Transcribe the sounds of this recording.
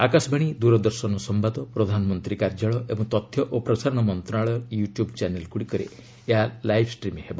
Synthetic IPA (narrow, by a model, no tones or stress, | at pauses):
akasɔbʱaɽ̃id̪uɾɔd̪ɔɾsɔnɔsɔmbad̪ɔpɾɔd̪ʱanɔmɔnt̪ɾikaɾd͡ʒaɭɔʔebɔŋt̪ɔt̪ʰjɔʔopɾɔsaɾɔɽ̃ɔmɔnt̪ɾɔnaɭɔjuʈjubt͡ʃanelkuɽikɔɾḛ | eɦalajbʰʱsʈɾimeɦebɔ